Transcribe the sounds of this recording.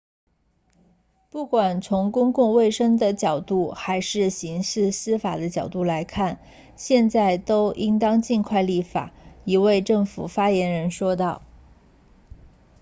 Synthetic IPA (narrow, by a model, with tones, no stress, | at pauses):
pu˥˩kwa˨˩nt͡sʰʊ˧˥ŋkʊ˥ŋkʊ˥˧ŋwe˥˩ɪʂɤ˥ŋd̪ə˨t͡ɕjɑ˨˩ʊt̪u˥˩xa˧˥ɪʂɻ̩˥˩ɕi˧˥ŋʂɻ̩˥˩sɹ̩˥fa˨˩d̪ə˦t͡ɕjɑ˨˩ʊt̪u˥˩la˧˥ɪkʰa˥˩n | ɕjɛ˥˧nt͡sa˥˩ɪt̪o˥ʊʔi˥ŋt̪ɑ˥ŋt͡ɕi˥˧nkʰwa˥˧ɪli˥˩fa̰˨˩˦i˧˥we˥˧ɪʈ͡ʂɤ˥˩ŋfṵ˨˩fa˥jɛ˧˥nɻə˧˥nʂwɔ˥t̪ɑ˥˩ʊ